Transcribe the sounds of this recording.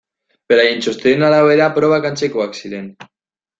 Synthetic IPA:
peɾaint͡ʃost̪enalaweðapɾoβakant͡ʃekoaksiðen

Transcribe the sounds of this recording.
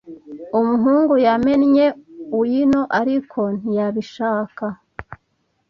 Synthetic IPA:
umuɦuːŋɡujame̞nɲe̞ujino̞ʔaɾikʰo̞n̥ijaβiʃaːka

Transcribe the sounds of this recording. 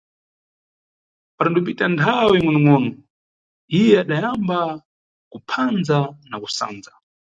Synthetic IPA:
paɾandup̬itantʰawiŋwɛnumɔːnɔ | ijɛaɗajamba | kupʰand͡zanakusa̰ːnd͡za

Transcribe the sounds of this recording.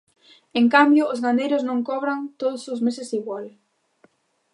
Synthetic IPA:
eŋkambjʊːzɣand̪ejɾʊznõŋkɔβɾant̪oðʊsʊzmesɪsiɣwal

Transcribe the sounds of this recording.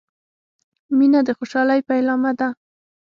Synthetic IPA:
minad̪əxoʃɑlajpajlɑmad̪a

